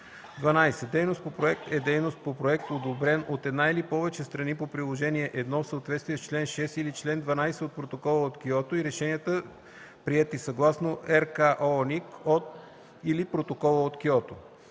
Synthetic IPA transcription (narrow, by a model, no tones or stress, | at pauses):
d̪vɐnajsɛd̪ɛjnost̪̚popɾoɛk̚t̪ɛd̪ɛjnost̪̚popɾoɛk̚t̪od̪obɾɛnot̪ɛd̪nailipɔvɛt͡ʃɛst̪ɾɐnipopɾilˠoʒɛniɛʔɛd̪nɔfsəot̪vɛt̪st̪vijɛst͡ʃlɛnʃɛsilit͡ʃlɛnd̪vɐnajsɛot̪̚pɾot̪okɔlˠəot̪kiɔt̪oiɾɛʃɛniət̪ə | pɾiɛt̪isɐɡlˠasnoʔɛɾkaʔonikot̪ | ilipɾot̪okɔlˠəot̪kiɔt̪o